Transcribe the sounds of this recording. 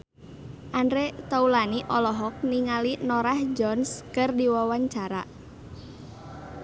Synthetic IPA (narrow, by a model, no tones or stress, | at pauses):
ʔandɾet̪aulaniʔɔlɔɦɔk̚niŋalinoɾahd͡ʒɔnskɨrdiwɔwaɲt͡ʃaɾa̰